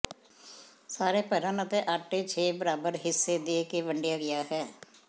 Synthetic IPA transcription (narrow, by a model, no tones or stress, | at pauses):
saːɾeːpɛːɾənət̪ẽːʔəʈeːt͡ʃʰeːbəɾaːbəɾɦɪsːeːd̪eːkeːʋəɳɖɪjaːɡɪjaːɦɛː